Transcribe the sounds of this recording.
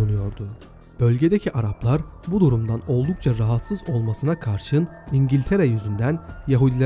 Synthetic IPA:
unujo̞ɾd̪ʊ | b̥ø̞lʲɟe̞d̪ecʰiʔaɾaplˠaɾbud̪uɾumd̪ano̞lˠd̪uk̚t͡ʃʰaɾaɦat̪sɯzo̞lˠmasɯnakʰaɾʃɯniɲɟilʲt̪ʰe̞ɾejyzynd̪ænjaɦud̪ilʲ

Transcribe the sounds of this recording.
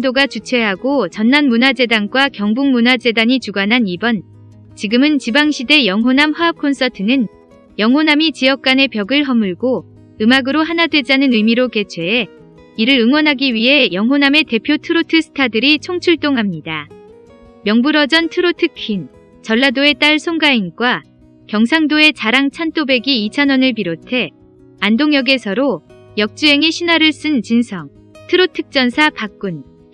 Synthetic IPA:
doɡat͡ɕut͡ɕʰwe̞ɦaɡot͡ɕʌnːanmunad͡ʑe̞danɡwakjʌŋbuŋmunad͡ʑe̞daɲit͡ɕuɡanɦanibʌn | t͡ɕiɡɯmɯnt͡ɕibaŋɕʰide̞jʌŋɦonamɸwaʌp̚kʰons͈ʰʌtʰɯnɯn | jʌŋɦonamit͡ɕiʌk̚k͈ane̞pjʌɡɯɭɦʌmɯɭɡo | ɯmaɡɯɾoɦanadwe̞d͡ʑanɯnɯjmiɾoke̞t͡ɕʰwe̞ː | iɾɯɾɯŋwʌnɦaɡiɥiɦe̞jʌŋɦoname̞te̞pʰjotʰɯɾotʰɯsʰɯ̥tʰadɯɾit͡ɕʰoŋt͡ɕʰuɭt͈oŋɦamɲida | mjʌŋbuɾʌd͡ʑʌntʰɯɾotʰɯkʰin | t͡ɕʌɭːadoe̞t͈aɭsʰoŋɡainɡwa | kjʌŋsʰaŋdoe̞t͡ɕaɾaŋt͡ɕʰant͈obe̞ɡiit͡ɕʰanʌnɯɭpiɾotʰe̞ | andoŋjʌɡe̞sʰʌɾo | jʌk̚t͡ɕ͈uɦe̞ŋiɕʰinaɾɯɭs͈ɯnt͡ɕinsʰʌŋ | tʰɯɾotʰɯk̚t͡ɕ͈ʌnsʰapak͈̚un

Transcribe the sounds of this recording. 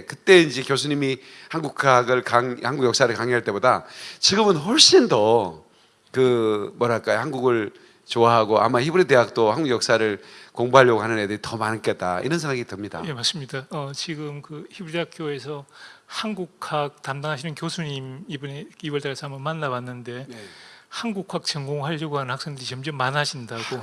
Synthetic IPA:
kɯt͈e̞ind͡ʑikjos̬ʰuɲimi | hanɡukʰaɡɯɭkaŋhanɡuɡjʌks͈aɾɯɭkaŋeɦaɭt͈e̞boda̰t͡ɕiɡɯmɯnhoɭɕ͈indo | kɯmwʌɾaɭk͈aehanɡuɡɯɭ | t͡ɕoaɦaɡoʔa̰maçibɯɾideɦak̚t͈ohanɡuɡjʌk̚s͈aɾɯɭkoŋboɦaʎjʌɡoɦanɯnedɯɾitʌmank͈ʰet̚t͈a̰ḭnʌnsʰeŋɡaɡitɯmɲida̰je̞maɭs͈ɯmɲidaʌt͡ɕiɡɯmkɯçibuɾdeakʰjoe̞sʰʌhanɡukʰak̚tamdaŋɦaɕʰinɯnkjosʰuɲimibɯneibʌɭt͈aɡasʰamʌmanːawanːɯnde̞ | hanɡuk͈ʰːak̚t͡ɕʌŋɡoŋhaʎːjʌɡoɦanɯnhak̚s͈eŋdɯɾit͡ɕʌmd͡ʑʌmːanad͡ʑindaɡ̥o

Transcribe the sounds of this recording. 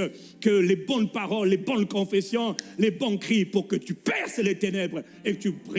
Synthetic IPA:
kəlebɔ̃npaʁɔlːebɔ̃nkɔ̃fɛsjɔ̃lebɔ̃kχipuʁkət̪ypɛʁslet̪enɛbʁ | ekət̪ypʁ

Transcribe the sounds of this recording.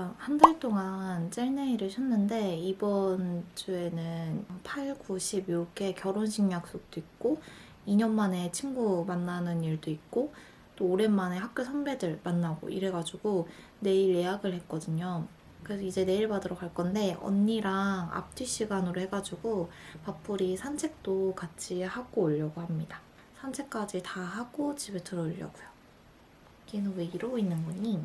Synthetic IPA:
kahandaɭt͈oŋant͡ɕ͈eɭneiɾɯɭɕʰʌnːɯnde̞ibʌnt͡ɕue̞nɯnpʰaɭɡuɕʰibjoɡe̞kjʌɾonɕʰiŋɲak̚s͈ok̚t͈oik̚k͈o | iɲʌnmane̞t͡ɕʰiŋɡumanːanɯniɭdoik̚k͈o | t͈oːɾe̞mane̞hak̚k͈josʰʌnbe̞dɯɭmanːaɡo̰ʔḭɾɦe̞ɡad͡ʑuɡo | ne̞iɭje̞jaɡɯɭhe̞t̚k͈ʌdɯɲo | kɯɾesʰʌid͡ʑe̞ne̞iɭpadɯɾʌkʰaɭk͈ʌnde̞ʌ̰nːiɾaŋa̰p̚t͈ʰiɕ͈iɡanɯɾohe̞ɡad͡ʑuɡopap͈ʰuɾisʰant͡ɕʰe̞k̚t͈okat͡ɕʰihaɡoːʎːʌɡohamɲida | sʰant͡ɕʰe̞k̚k͈ad͡ʑitahaɡ̥ot͡ɕibetɯɾʌʎːjʌ̰ɡ̥ojo | kenɯnweiɾoinːɯnbuɲi

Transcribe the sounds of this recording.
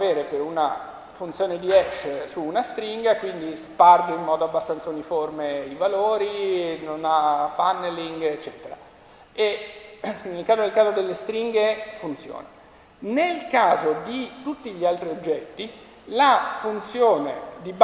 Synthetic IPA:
aveːɾepeɾuna | funt̪sjoːned̪iɛʃːsuːnast̪ɾiŋɡakwind̪isparɡ̪eimːɔːd̪oabːast̪ant̪sauniformeivaloːɾinonafanːliŋɡet͡ʃːɛːt̪eɾa̰ | e | nelkaːzod̪elkaːzod̪elːest̪ɾiŋɡefunt̪sjo̰ːna | nelkaːzod̪it̪ut̪ːiʎialt̪ɾiod͡ʒːɛt̪ːi | lafunt̪sjoːned̪ib

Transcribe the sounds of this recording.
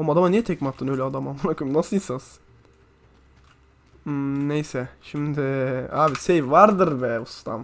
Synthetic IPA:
amad̪amanijɛt̪ʰɛkmat̪ʰːɯnøjlʲɛad̪amauɾakʰɯmnasɯjsas | nejsɛʃimd̪ɪaːvid̪sejvaɾd̪ɯɾbɛust̪ʰa̰m

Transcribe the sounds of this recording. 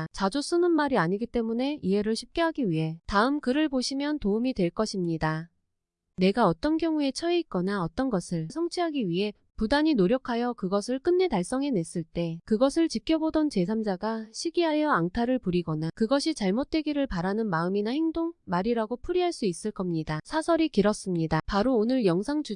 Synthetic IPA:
t͡ɕad͡ʑos͈ɯnɯnmaɾiaɲiɡit͈e̞mune̞ie̞ɾɯɭɕʰi̥p̚k͈eɦaɡiɥiɦe̞taɯmkɯɾɯɭpoɕʰimjʌntoumitwe̞ɭk͈ʌɕʰimɲida | ne̞ɡaʌt͈ʌnkjʌŋue̞t͡ɕʰʌiik͈ʌnaʌt͈ʌnɡʌsʰɯɭsʰʌŋt͡ɕʰiɦaɡiɥiɦe̞ | pudaɲinoɾjʌkʰajʌkɯɡʌsʰɯɭk͈ɯnːe̞taɭs͈ʌŋɦe̞ne̞s͈ɯɭt͈e̞kɯɡʌsʰɯɭt͡ɕikʰjʌbodʌnt͡ɕe̞s̬ʰamd͡ʑaɡaɕʰiɡiɦajʌaŋtʰaɾɯɭpuɾiɡʌnakɯɡʌɕʰit͡ɕaɭmot̚t͈we̞ɡiɾɯɭpaɾanɯnmaɯminahe̞ŋdoŋmaɾiɾaɡopʰuɾiɦaɭs͈uis͈ɯɭk͈ʌmɲidasʰasʰʌɾikiɾʌs͈ɯmɲidapaɾoːnɯɭjʌŋsʰaŋd͡ʑu

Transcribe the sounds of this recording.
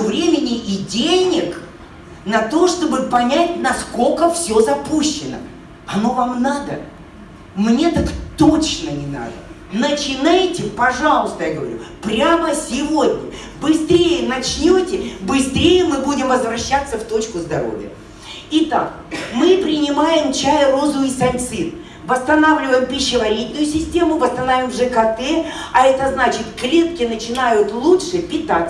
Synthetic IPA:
vɾʲemʲɪnʲɪʔɪdʲenʲɪk | nɐt̪o̞ʂt̪o̞bɨpɐnʲætʲnɐsko̞kəfsʲozɐpuɕːɪnə̰ | ɐno̞vamnad̪ə | mnʲet̪akt̪ot͡ɕnənʲɪna̰d̪ə | nət͡ɕɪnajtʲɪpɐʐalˠəst̪əjaɡəvɐ̰ɾʲṵpɾʲaməsʲɪvo̞dʲnʲə̰ | bɨst̪ɾʲejənɐt͡ɕnʲotʲɪbɨst̪ɾʲejəmɨbudʲɪmvəzvɾɐɕːat̪sːəft̪o̞t͡ɕkʊzd̪ɐɾo̰vʲjə̰ | ɪt̪ak | mɨpɾʲɪnʲɪmajɪmt͡ɕajəɾozʊisɐnʲt̪sɨt̪ | vəst̪ɐnavlʲɪvəjɪmpʲɪɕːɪvɐɾʲit̪ʲnʊjʊsʲɪsʲtʲe̞mʊvəst̪ɐnavʲɪmʐɨkɐt̪ɛ | ɐɛt̪əznat͡ɕɪt̪klʲe̞t̪̚kʲɪnət͡ɕɪnajʊt̪lˠuʂɨpʲɪt̪at̪s

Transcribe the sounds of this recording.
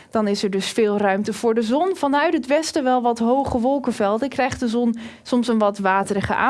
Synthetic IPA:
d̥ɑnɪsəɹdɵsfɪːlˠrœɥmtəv̥ʊːɹdəzɔnv̥ɑnœɥtɦətʋɛstəʋɛlˠʋɑtɦowχəʋɔlˠkəvɛlˠdəkrɛjχtdəzɔnsɔmsənʋɑtʋaːtərəχə̰ʔa̰ː

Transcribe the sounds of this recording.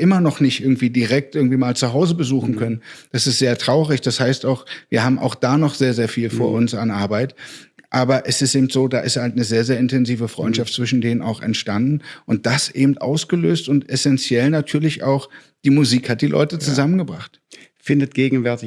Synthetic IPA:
ʔɪmɐnɔχnɪçtʔɪɐɡŋ̩tv̥iːdiʁɛk̚t̚ʔɪɡŋ̩tv̥iːmaːlt͡suɦaʊzəbəzuːxn̩kʰœnənd̥asɪstz̥eːɐtʁ̥aʊʁɪçd̥ashaɪstaʊxviːɐhaːbm̩ʔa̰ʊxd̥aːnɔχz̥eːɐzeːɐfiːlfoːɐʔʊnsanʔaɐbaɪtʔaːbɐʔɛsɪsteːbm̩tz̥oːdaːʔɪsthaltnəzeːɐzeːɐɪntɛnziːvəfʁ̥ɔ̰ʏntʃaftt͡sv̥ɪʃn̩deːnəna̰ʊxɛ̰ntʃtandn̩ʔʊnt̚d̥asʔeːbm̩tʔa̰ʊsɡ̥əløːstʊntɛsɛnt͡sjɛlnatʰyːɐlɪça̰ʊx | d̥iːmuziːkhat̚d̥iːlʔɔ̰ʏtət͡suzamənɡəbʁaχt | fɪndət̚ɡ̥eːɡŋ̩vɛɐtɪ

